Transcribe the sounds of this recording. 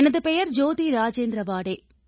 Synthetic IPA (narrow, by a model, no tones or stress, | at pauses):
ɛnɐðɯpɛjɐɾd͡ʒoːðiɾaːd͡ʒeːnd̪ɾɐʋaːɽeː